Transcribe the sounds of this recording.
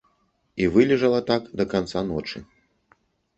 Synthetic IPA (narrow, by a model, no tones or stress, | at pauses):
ivɨlʲɛʐɐlˠɐt̪akd̪ɐkant̪sanɔt͡ʂɨ̰